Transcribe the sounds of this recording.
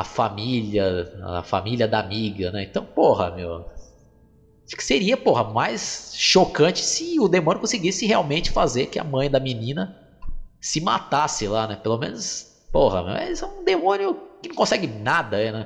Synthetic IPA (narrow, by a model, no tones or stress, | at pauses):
ɐ̰familɐ̰fa̰miliɐd̪amiɡɐnɛẽt̪ɐ̃w̃pohɐ̰mew | aʃkɪ̥seɾiɐpoɦɐmajsʃokɐ̃t͡ʃɪ̥sɪʊd̪emõnjʊkõsɪɡisɪɦeawmẽt͡ʃɪfazeɾkɪɐ̰mɐ̃j̃d̪ɐminĩnɐ | sɪma̰t̪asɪlanɛpelomẽnʊs | pohɐ̰mḛwɛsɛ̃ũd̪emõnjʊkɪnɐ̃kõsɛɡɪnad̪ɐɛnɛ